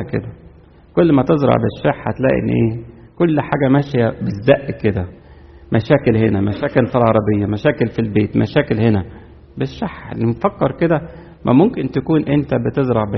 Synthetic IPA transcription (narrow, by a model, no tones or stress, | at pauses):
kḛd̪æ | kolːmæt̪ezɾˤɑ̰ʕbeʃːeħhæt̪læ̰ʔḛnːʔeːkolːħaːɡæmæʃjæbezæʔːked̪æ | mæʃæːkelhenæmæʃæːkelfilʕɑɾˤɑbejːæmæʃæːkelfilbeːt̪mʔæ̰ʃæːkelhenæ | beʃːaħlmfækːɑɾˤked̪æ | mæ̰momkent̪ækuːnʔent̪æbet̪ezˤɾˤɑʕbe